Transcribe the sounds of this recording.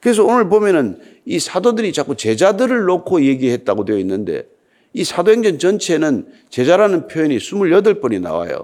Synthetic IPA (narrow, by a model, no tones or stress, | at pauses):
kɯɾe̞s̬ʰʌonɯɭbomjʌnɯn | isʰadodɯɾit͡ɕak͈ut͡ɕe̞d͡ʑadɯɾɯɭːokʰoje̞ɡihe̞t̚t͈aɡodwejoinːɯndḛ | isʰadoɦeŋd͡ʑʌnt͡ɕʌnt͡ɕʰe̞nɯn | t͡ɕe̞d͡ʑaɾanɯnpʰjojʌɲisʰumuɭjʌdɯɭp͈ʌnina̰wa̰jo̰